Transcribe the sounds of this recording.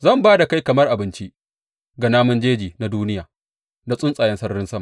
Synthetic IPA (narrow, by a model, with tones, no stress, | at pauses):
zɐ˦˨mbaː˦da˨ka˦jkɐ˨mɐ˦rʔa˨bɪ˦nt͡ʃi˦ʔ | ɡa˨naː˦mʊ˦nd͡ʒeː˦d͡ʒiː˨na˨duː˦nɪ˦jaː˨ | na˨sʼʊ˦nsʼaː˨jɛ˦nsɐ˦rɾɪ˦nsɐ˦ma˨